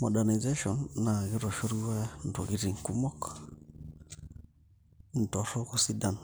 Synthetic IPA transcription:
mɔ˨ɗa˨ni˨zɛ˦ʃɔ˨nːa˨ɣi˦ɾɔ˨ʃo˦ɾi˦wa˦n̩˨tɔ̰˨ɣi˨˦ɾi˨ŋ̩˨ku˦mɔ˦k | n̩˨tɔ˨ɾɔ˦ku˨si˦da˨n

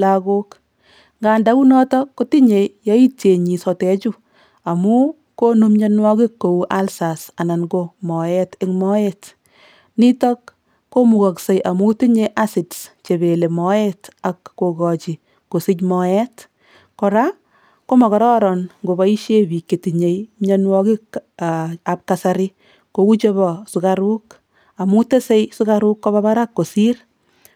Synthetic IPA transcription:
laɡo˦k | ŋɡaː˨nda˨ku˦nɔ˦tɔ˦kːo˦ti˦ɲe˨jɔ˦i˦te˨ɲi˨sɔ˨tɛ˨˦t͡ʃu˦ | a˨mu˦ | ko˦nu˦mɲe˦nwɔ˦kɪ˦kːo˨uʔa˦lsa˨sa˨na˨nɡo˧mɔ˨jɛte˦ŋmɔ˦et | ni˦tɔ˦kː | o˦mu˨ka˨kse˨jʔa˨mu˦ti˦ɲe˧ʔa˦si˨dst͡ʃe˨be˨le˨mɔ˨˦ɛta˨kːo˨kɔ˨t͡ʃi˨ | ko˨si˦cmɔɛ˦t | kɔ˨ɾa | ko˦mɔ˨kɔ˨ɾɔ˦ɾɔnŋɡo˨ba˦i˦ʃje˦bi˨kːe˨ti˨ɲe˨jmɲɔ˦nwɔ˦ki˦ | a˨p̚kasaɾi | ko˨ku˦t͡ʃe˦bɔ˨su˨kaɾu˦k | a˨mu˦te˦se˦jsu˦ka˦ɾʊ˦kːɔ˦βa˦ba˦ɾa˦kːo˨si˦r

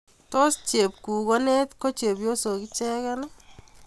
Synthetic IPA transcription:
tɔ˦st͡ʃe˨p̚ku˨ko˦ne˦t̪ko˦t͡ʃe˨bjo˦so˨ki˦t͡ʃɛ˦kɛn

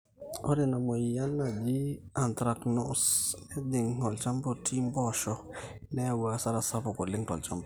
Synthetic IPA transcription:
o˦di˨na˨mo˨ja˦nːa˨d͡ʒi˦a˨ntɾa˨kno˦se˦di˨ŋŋo˨lt͡ʃa˦mbo˨ti˦mbɔ˦˨ʃɔ˦ | nɛ˦a˦˨wa˨sa˦ɾa˨sa˦po˨ko˨li˦ŋtɔ̰˨lt͡ʃa˦mbo˨

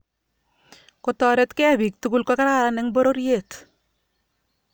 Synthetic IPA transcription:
kotɔ˨ɾɛ˦tkɛ˦abi˨k̚tu˦ku˦lkɔ˦ka˦ɾa˦ɾa˦nɛŋbo˦ɾo˦ɾje˦˨t

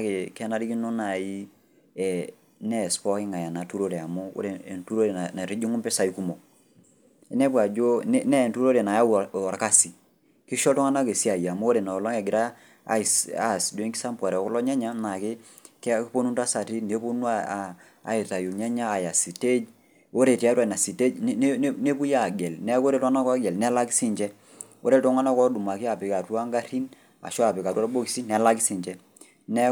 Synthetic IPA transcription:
kɪ˨kɛ˦na˦ɾi˦ki˦no˦na˨ji˦ | ɛ˨ | nɛ˦˨spɔ˦kɪ˦ŋa˨ja˨na˨tu˦ɾo˦ɾe˨a˨mu˦o̰˦ɾe˨ntu˦ɾo˦ɾe˨a˨na˨ɾi˦d͡ʒi˦ŋu˦mpɛ˦sa˨i˦ku˦mo˨ | ɛ˦nɛ˦pwa˨d͡ʒo˦nɛ˦nɛ˦˨tu˦ɾo˦ɾe˨na˨ja˦˨ɔ˨ɾka˦si˨ | ki˦ʃɔ˦tɔ˦ŋa˦na˦ke˨si˦a˨ja˨mu˦o˦ɾe˨na˨lɔ˦ŋɛ˨ɡɪ˨ɾa̰˦˨˦ | sa̰˨sdo˦i˦ŋki˦sa˦mpwa˨ɾɛ˨ɔ˨klɔ˦ɲa˦ɲa˦na˨kɪ˦ | kkpo˦nu˦nta˦sa˨ti˦ne˨po˦nu˦a˨ | a̰˨ɪ˨ta˨ju˨ɲɛ˦ɲaː˦˨ja˨si˨te˦d͡ʒ | o˦ɾe˨ti˨a˦ta˦˨na˨si˨te˦d͡ʒne˦pu˦ja˦˨ɡɛ˨lnɛ˦ko˦ɾe˦tɔ˦a˦na˦kɔ˦ɡɛ˨lnɛ˨˦la˦ki˦si˦ɲd͡ʒɛ˦ | o̰˦ɾe˦˨tɔ˦ŋa˦na˦kɔ˦du˨ma˨ki˦a˨pɪ˨ka˨twa˦ŋɡa˦ɾi˦n | a̰˨ʃɔ˦a˨pɪ˨ka˨twa˦ɾbo˦ki˨si˦nɛ˨˦la˦ki˦si˨ɲd͡ʒɛ˦ | nɛ˦

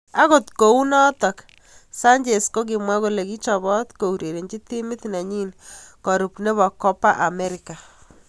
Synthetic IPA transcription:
a˦ɣo˨t̪ko˨u˦nɔ˦t̪ɔ˨k | sa˦ɲd͡ʒe˨sko˦k̬ɪ˨mwa˦ɣo˦le˨ki˦t͡ʃɔ˨βɔ˦t̪ko˨u˨ɾe˨ɾe˨nd͡ʒi˦t̪i˦mɪ˦t̪na˨ɲi˦nkɔ˨ɾu˨pne˦βɔ˨kɔ˦pa˦ʔa˨me˦ɾɪka˨

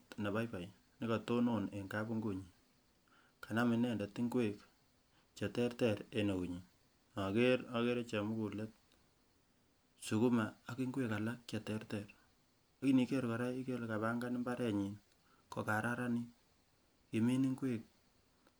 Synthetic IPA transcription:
tna˨ba˦jpa˨j | nɪ˦ka˨to˦no˨ne˨ŋka˦pu˦ŋɡu˨ɲi˨ | ka˨na˦mɪ˨nɛ˦˨nda˨ti˦ŋɡwe˨k | t͡ʃe˨tɛ˦rtɛ˨ɾe˨no˨ku˨ɲi˨ | na˨ke˦ɾɔ˦ke˦ɾe˦t͡ʃe˨mu˦ku˨le˦t̚ | su˨ku˦ma˨a˨ki˦ŋɡwe˦ka˨la˦k̚t͡ʃɛ˨tɛ˦rtɛr | aki˦ni˨˦ke˦ɾkɔ˨ɾa˦i˦ke˦lka˨βa˦ŋɡa˦n˦mba˦ɾe˨ɲi˨n | ko˨ka˨ɾa˦ɾa˦ni˦ | ki˨mi˦ni˦ŋɡwe˦k̚

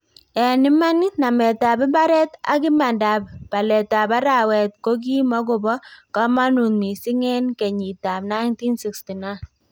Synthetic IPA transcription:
ɛ˨nɪ˦ma˦ni˦na˨mɛ˨ta˨bɪ˦mba˦ɾɛ˦ta̰˦kɪ˦ma˨nda˨ppa˨lɛ˨ta˨ba˦ɾa˨wɛ˨t̚ko˦k̬i˦mɔ˦ɡʊ˨bɔ˦ka˦ma˦nu˨nmi˨si˦ŋɛ˦nkɛ˨ɲi˨ta˨p̚na˦ɪnti˦nsi˨ksti˨na˦n

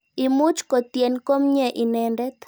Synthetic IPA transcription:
ɪ˨mʊ˦t͡ʃko˨t̪je˨nko˦mɲɛ˨ʔɪ˨nɛ˨ndɛ˦t̪

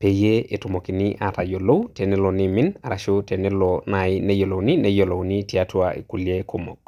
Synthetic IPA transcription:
pe˨je˦e˨tu˨mo˨ki˨ni˦ʔa˨ta˨jo˨lo˦wte˨nɛ˦lo˨ni˦mɪ˦na˨ɾa˨ʃo˦te˨nɛ˦lɔna˨i˦ne˦jo˨lo˨wni˦ne˦jo˨lo˨wni˦ti˨a˦twaʔḭ˨ku˨lje˦ko˦mɔ̰˨k

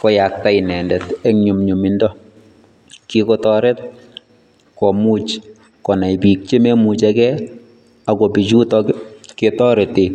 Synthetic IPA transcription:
kɔ˦ja˨k̚ta˦i˨nɛ˨ndɛ˨te˦ŋɲu˨mɲu˨mi˨ndɔ˦ | kikɔ˦tɔɾɛ˦t̚ | kɔ˨mut͡ʃ | kɔ˨na˨ipi˨k̚t͡ʃe˦me˦mu˨t͡ʃakɛ˦ | a˨kɔ˨pi˨t͡ʃu˦tɔ˦kketɔ˦ɾe˨te˨

